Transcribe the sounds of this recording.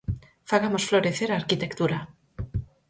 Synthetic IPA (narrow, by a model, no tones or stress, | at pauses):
faɣamosflo̞ɾeθeɾaːɾkit̪ekt̪uɾa